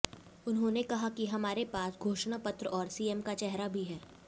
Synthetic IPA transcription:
ʊnɦõnekɐɦakiɦɐmaːɾepaːsɡʱoːʃñapɐt̪ɾəɔːɾsiːɛmkat͡ʃɛɦɾabʱiɦɛː

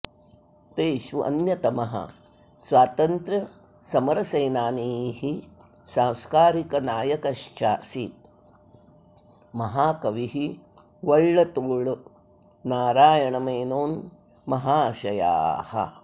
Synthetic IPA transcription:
t̪eːʃʋuʔɐ̰njɐt̪ɐmɐɦɐ̰ | sʋwaːt̪ɐnt̪ɾɐ | sɐmɐɾɐsɐjnaːniːɦi | sãːwskaːɾikɐnaːjɐkɐʃt͡ʃaːsit̪ | mɐɦaːkɐʋiɦi | ʋɐɭːɐt̪uːɭ | naːɾaːjɐɳɐmɐːnoːn | mɐɦaːʃɐja̰ːhɐ̰

